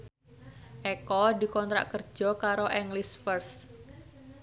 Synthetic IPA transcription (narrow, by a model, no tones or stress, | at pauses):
ʔɛkɔd̪i̤kɔnt̪ɾa̰ʔkər̥d͡ʒʒ̥ɔ̤kaɾoʔɛŋlisfərs